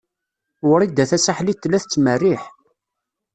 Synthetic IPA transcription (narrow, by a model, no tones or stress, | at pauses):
ʊɾid̪æθæsaħlit̪ːlːæθət͡sːmərːiħ